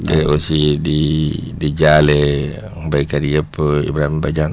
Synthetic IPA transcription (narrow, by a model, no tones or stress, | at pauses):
leosididid͡ʒale | ŋbaikaɾiəpːḭbɾamibad͡ʒan